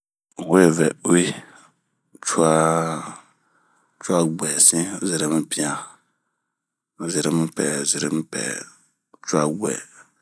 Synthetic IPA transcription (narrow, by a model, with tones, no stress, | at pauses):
we˦˨vɛ˨˦i˦˨ | t͡ʃu˦a˦ | t͡ʃu˦a˦ɡ͡bɛ˨sĩ˦zɛ˨ɾe˦m̩˦pĩ˦a˨ | zi˨ɾɛ˦m̩˦pɛ̰˨zi˨ɾḛ˦m̩˦pɛ̰˨˦ | t͡ʃu˦a˦ɡ͡bɛ̰˨